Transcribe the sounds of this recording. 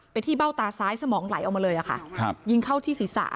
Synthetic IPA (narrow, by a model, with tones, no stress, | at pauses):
pa˧nt̪ʰiː˥˩ba˥˩wt̪aː˧saː˨˦˥jsa˧mɔː˩˦ŋla˨˩˦jʔwmaː˧lɤː˧jʔa˨˩kʰa̰˥˩˧ji˧ŋkʰa˥˩wt̪ʰiː˥˩siː˨˩˦sa̰ː˩˦